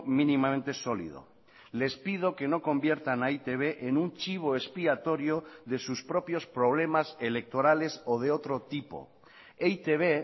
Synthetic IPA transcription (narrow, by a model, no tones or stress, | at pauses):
mĩnĩmamẽnt̪e̞solḭð̞o̰ | le̞spið̞oke̞no̞ko̞mbje̞ɾt̪anait̪eβ̞eʔenunt͡ʃiβ̞oespiat̪o̞ɾjoðe̞suspɾopjo̞spɾo̞β̞le̞maselek̚t̪oɾale̞soð̞eot̪ɾot̪ipo̰ | ejt̪eβ̞e